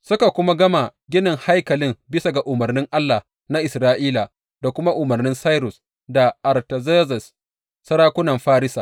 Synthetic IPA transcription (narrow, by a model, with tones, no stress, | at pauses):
sʊ˦ka˨kʷʊ˦ma˦ɡɐ˦ma˨ɡʲɪ˦nɪ˨ŋha˦jkɐ˨lɪ˦mbɪ˦sa˨ɡa˨ʔʊ˨mɐ˨rnɪ˦ŋʔa˦lːa˨ | na˦ʔɪ˨sɾaː˦ʔiː˦la˨ | da˨kʷʊ˦ma˦ʔʊ˨mɐ˨rnɪ˦nsa˦jɾʊ˨s | da˨ʔa˨rtɐ˨ze˦zɛ˨sː | ɐ˦ɾaː˦kʷʊ˦nɐ˨mɸaː˦ɾɪ˦saː˨